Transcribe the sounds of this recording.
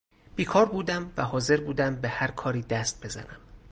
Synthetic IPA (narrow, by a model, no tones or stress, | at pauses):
b̥iːkʰɒːɾbuːd̪æmvæɦɒːze̞ɾbuːd̪æmbe̞hæɾkʰɒːɾiːd̪æst̪̚be̞zæ̰næm